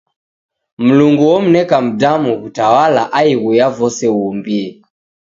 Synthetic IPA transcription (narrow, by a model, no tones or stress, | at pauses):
m̩luŋɡuwɔm̩nɛkam̩damuɣutawalaʔaiɣujavɔsɛwumbiɛ